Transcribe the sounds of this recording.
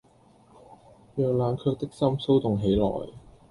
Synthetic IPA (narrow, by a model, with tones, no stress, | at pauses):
jœː˨˧k̚laː˨˧nkʰœː˧k̚t̪ɪ˥k̚sɐ˥mso˥wt̪ʊ˨ŋɦe˨˥jlɔ̰ː˨˩j